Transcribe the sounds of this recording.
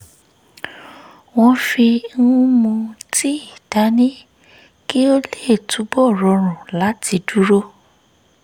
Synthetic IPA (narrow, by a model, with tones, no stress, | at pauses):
w̃ɔ̃˧fi˧n̩˦ũ˦mũ˧ti˦i˨d̥a˨˦nĩ˦ | ki˦o˦le˦˨tu˨˦bɔ˦˨ɾɔ˧ɾ̃ũ˨la˨˦ti˧du˦ɾo˦